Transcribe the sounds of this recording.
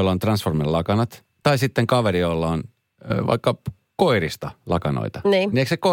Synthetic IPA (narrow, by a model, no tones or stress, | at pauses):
olːɑont̪rɑnsformillɑkɑnɑt̪ | t̪ɑisit̪ːeŋkɑʋerijolːɑon | ʋɑ̰ikːɑ | koirist̪ɑlɑkɑno̰it̪ɑniːniekseko